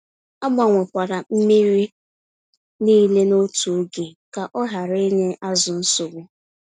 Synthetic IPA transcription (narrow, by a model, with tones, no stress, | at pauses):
a˦ɡ͡ba˨ŋʷe˨kʷa˨ɾa˨m̩˦mi˦ɾi˦ | niː˦le˦no˦tu˨o˦ɡe˨ka˨ʔɔ˦ɦa˨ɾe˦ɲe˦ʔa˦zʊ˨n̩˦sʊ˨ɡʷʊ˦